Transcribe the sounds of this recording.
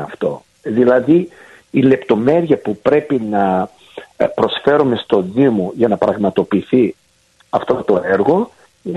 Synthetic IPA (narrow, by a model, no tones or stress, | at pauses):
ɐft̪o̞̰ | ðilɐðiː | le̞pt̪o̞me̞ɾiɐpupɾe̞pinɐ | pɾo̞sfe̞ɾume̞st̪o̞ðimoʝɐnɐpɾɐɣmɐt̪o̞piːθi | ɐft̪ot̪o̞eɾɣo̞